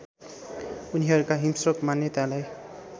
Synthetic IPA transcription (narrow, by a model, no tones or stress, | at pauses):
uniɦʌɾukaɦimsʌkmanjʌt̪alaj